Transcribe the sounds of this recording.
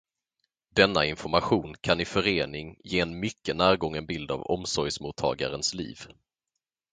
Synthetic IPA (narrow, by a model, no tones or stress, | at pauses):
d̪ɛnːaɪnfɔɾmaɧuːnkʰanɪfœɾeːnɪŋjeːɛnmʏkːənæːɾɡɔŋːənbɪld̪a̰vɔ̰msɔjsmut̪ʰːɑ̰ːɡaɾənslḭːv